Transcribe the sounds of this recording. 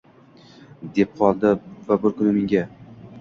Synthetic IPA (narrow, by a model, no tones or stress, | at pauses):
d̪e̞p̚qʰɒlˠd̪ɪvabɪɾkʰʊnɪmeŋɡʲa